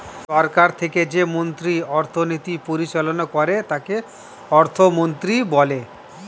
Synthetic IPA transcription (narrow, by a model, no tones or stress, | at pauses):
ʃɔɾkaɾt̪ʰeked͡ʑemont̪ɾiɔɾt̪ʰonit̪ipoɾiʃelonokɔɾet̪ake | ɔɾt̪ʰomont̪ɾibɔle